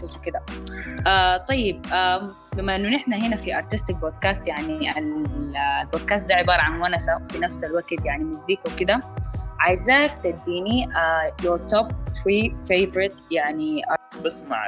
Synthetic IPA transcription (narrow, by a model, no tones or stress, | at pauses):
aswkɪd̪aʔaːt̪ˤɑjːɪb̚ʔa | bɪmːaʔɪnːunɪħnaɦɪnafiʔɑɾˤt̪ɪst̪ɪk̚boːd̪kaːst̪jaʕnial | lboːd̪̚kaːst̪̚d̪aːʕɪbɑːɾˤɑʕanwanasawfinafsalwaɡt̪jaʕnimuziːkwkɪd̪aʕaːɪzaːk̚t̪ad̪ːiːniajoɾt̪ob̚tɾiːfeːbɾɪt̪jaʕniʔɑbɪsˤma̰ʕ